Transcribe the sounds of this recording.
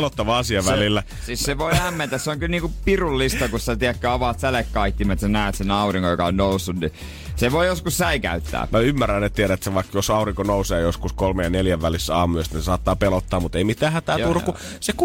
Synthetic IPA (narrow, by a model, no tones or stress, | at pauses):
lot̪ːɑʋɑɑsiɑʋælilːæ | siːsseʋoiæmːent̪æsseoŋkylniːŋkupirulːist̪ɑkusit̪æt̪iækːøɑʋɑˑt̪sælekkɑit̪ːimæt̪senæˑøt̪senɑuriŋkojo̰kɑonnousːunni | seʋoijoskussæikæ̰yt̪ːæ̰ːmæymːærːænːet̪ieɾæet̪seʋɑikːjosɑuriŋkonouseːjoskuskolmejjɑneljæʋʋælisːɑːmyøst̪isesɑːt̪ːɑːpelot̪ːɑːmmut̪eimit̪æːhæt̪æːuruku | sek